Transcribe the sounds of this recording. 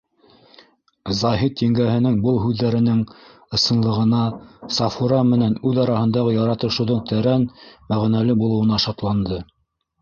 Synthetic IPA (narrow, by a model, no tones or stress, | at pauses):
zɑɦit̪jiŋɡæhɘ̆nɘŋbɤlˠɦʉðːæɾɘ̆nɘŋ | ɤ̆sɤ̆nlˠɤ̆ʁɤ̆nɑsɑfuɾɑmɘ̆nænʉðɑɾɑhɤ̆nd̪ɑʁɤjɑɾɑt̪ɤ̆ʃɤ̆wðoɴt̪ʰæɾænmæʁnælɘbulˠɤ̆wɤ̆nɑʃɑt̪lˠɑnd̪ɤ